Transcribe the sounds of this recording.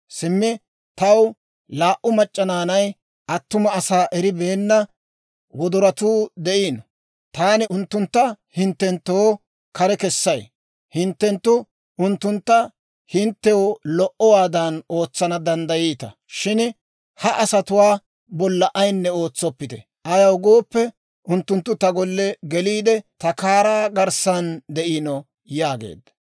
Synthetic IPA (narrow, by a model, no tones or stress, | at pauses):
sɪmːɪ | t̪ɐw | laːʔʊmɐt͡ʃʼːɐnaːnɐj | ʔɐt̪ːʊmɐːsaːʔɛɾɪbe̞ːnːɐ | wɔd̪ʊɾɐt̪uːd̪ɛʔiːn | t̪aːnɪʔʊnt̪ːʊnt̪ːɐhɪnt̪ːɛnt̪ːoː | kɐɾɛkɛsːɐj | hɪnt̪ːɛnt̪ːʊ | ʊnt̪ːʊnt̪ːɐ | hɪnt̪ːɛwɔlɔʔɔwaːd̪ɐno̞ːt͡sːɐnɐd̪ɐnd̪ɐjiːt̪ɐ̰ | ʃɪn | hɐʔɐsɐt̪ʊwaː | bɔlːɐʔɐjnːɛo̞ːt͡sːɔpːɪt̪ɛ̰ | ɐjɐwɡoːpːɛ | ʔʊnt̪ːʊnt̪ːʊt̪ɐɡɔlːɛɡɛliːd̪ɛt̪ɐkaːɾaːɡɐɾsɐnd̪ɛʔinɔ | jaːɡḛːd̪ɐ̥